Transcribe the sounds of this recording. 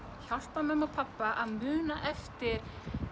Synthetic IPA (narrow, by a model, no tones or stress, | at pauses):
çal̥t̪amɛmaɔpʰapːaʔaðmʏːnaʔɛft̪ɪɾ̥